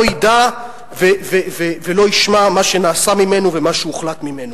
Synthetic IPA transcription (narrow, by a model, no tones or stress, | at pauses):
ida | vevevevelo̞iʃmamaʃenaːsamime̞nuvemaʃuuχlat̪mimenu